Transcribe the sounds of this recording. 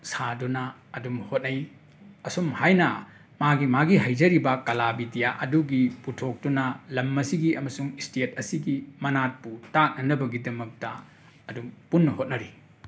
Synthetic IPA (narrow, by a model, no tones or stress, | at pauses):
sadunɐːdumhot̚nɐj | ɐsomhajnɐ | maɡimaɡiɦajzɐɾibɐkɐlabidijaʔɐduɡiputʰok̚dunɐlɐmːɐsiɡiɐmɐsuŋistet̚ɐsiɡimɐnat̚putak̚nɐnɐbɐɡidɐmɐk̚tɐː | dumpunːɐhot̚nɐɾi